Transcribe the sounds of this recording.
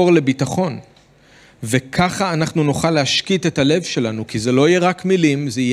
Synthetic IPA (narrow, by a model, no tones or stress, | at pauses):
oʁle̞bitaχo̞n | vekʰaχaːnaχnunuχalːeaʃkite̞tale̞vʃe̞lanukizelo̞ijeʁakmilimzeij